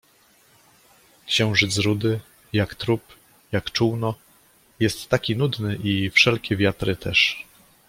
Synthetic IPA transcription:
kɕɛ̃w̃ʐɘd̪zɾud̪ɘ | jakt̪ɾup | jakt͡ʂuwnɔ | jɛst̪ːakʲinud̪nɘʔifʂɛlkʲɛvʲjat̪ɾɘt̪ʰɛʂ

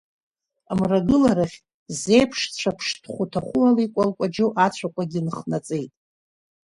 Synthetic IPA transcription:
amraɡɨlaɾaχʲ | ze̞jpʰʂt͡ɕʷʰapʰʂdχʷutʰaχʷʊalikʷʼalkʷʼad͡ʒoʔat͡ɕʷʰakʷʼaɡʲinχnat͡sʼejtʼ

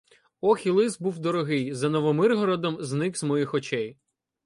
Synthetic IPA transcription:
ɔxʲilˠɪzbuwd̪ɔɾɔɦɪjzɐnɔʋɔmɪrɦɔɾɔd̪ɔmznɪkzmɔjixɔt͡ʃɛj

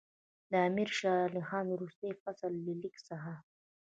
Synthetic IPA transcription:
d̪əamiɾʃɑlixɑnwɾust̪ajfasəlːilɪksaɦa

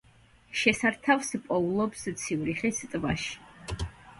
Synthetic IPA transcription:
ʃɛsaɾt̪ʰavspʼɔulˠɔpst̪sʰiuɾiχist̪ʼbaʃi̥

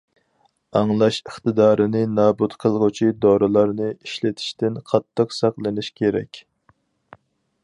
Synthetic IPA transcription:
ɑŋlˠɑʃəχt̪ɨd̪ɑːɾɨnɨnɑːbut̪qʰəlˠʁət͡ʃʰid̪oɾɨlˠɑɾnɨiʃlɪt̪ʰi̥ʃt̪ɪnqʰɑt̪ːəqsɑqlˠɨnɪʃkʲeɾɛ̰kʲ

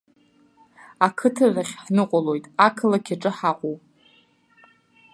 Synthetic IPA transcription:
akʰɨtʰazaχʲħnɨqʷʼalo̞jtʼakʰɨlakʲʰaʈ͡ʂʼɨħaqʷʼuw

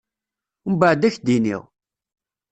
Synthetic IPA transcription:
mbəʕd̪æçd̪inḭʁ

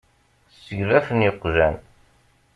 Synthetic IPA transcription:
səʝðæθnjəqːʒæn

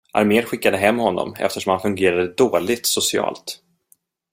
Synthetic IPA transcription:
ʔa̰ɾmeːɾɧɪkːad̪əɦɛmːhɔnːɔ̰mɛ̰ft̪əʂɔmhanfɵŋɡeːɾad̪əd̪oːlɪɡ̚t̪sʊsɪɑ̰ːlt̪

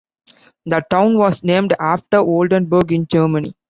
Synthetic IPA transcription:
d̪əʈãʊ̃nʋɔːsnẽːmɖæːfʈəɾoːlɖə̃nbəɾɡɪ̃nd͡ʒəːɾmənḭ

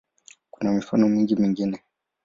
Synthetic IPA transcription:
kunamifanɔmiŋɡimiŋɡinɛ

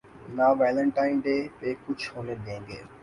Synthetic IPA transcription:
naːʋeːlə̃ɳʈaːɪnɖeːpeːkʊd͡ʒʱɦoːned̪ẽːŋɡeː

